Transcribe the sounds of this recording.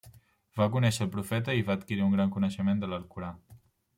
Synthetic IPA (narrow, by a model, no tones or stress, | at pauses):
bakunɛʃəːlˠpɾufɛt̪əiβaət̪kiɾiuŋɡɾaŋkunəʃəmend̪ələlˠkuɾa